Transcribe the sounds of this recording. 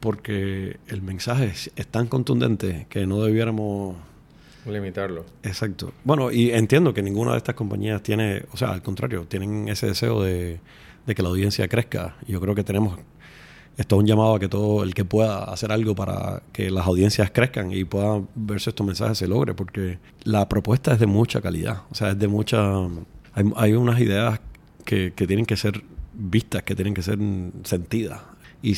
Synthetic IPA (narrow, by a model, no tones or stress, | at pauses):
po̞ɾke̞ːlmẽnsaɦe̞est̪aŋko̞nt̪und̪e̞̰nt̪e̞ke̞no̞ðe̞βje̞ɾamos | limit̪aɾlo | esak̚t̪o̞̰bwe̞no̞ʔie̞nt̪jend̪o̞ke̞nĩŋɡuna̰ðest̪asko̞mpa̰ɲiast̪je̞neo̞se̞a̰a̰lko̞nt̪ɾa̰ɾjo̞t̪je̞ne̞ŋe̞se̞ðe̞se̞̰o̞̰ðe | d̪e̞ke̞lawðje̞nsja̰kɾehka̰ɟ͡ʝo̞kɾeo̞ke̞t̪e̞ne̞mos | e̞st̪oũɲd͡ʒamað̞oake̞t̪o̞ðoelke̞pwe̞ðaa̰se̞ɾalɡo̞paɾa̰ke̞lasawðje̞nsjaskɾe̞hkaŋipweðabe̞ɾseest̪omensa̰he̞selo̞ɣɾe̞po̞ɾke̞ | lapɾo̞pwe̞st̪ae̞zðemut͡ʃakalḭða̰ose̞ae̞zðemut͡ʃa | ajajunasiðe̞as | kʰeke̞t̪jeneŋke̞se̞ɾbist̪ahke̞t̪jeneŋke̞se̞ɾse̞nt̪iða̰si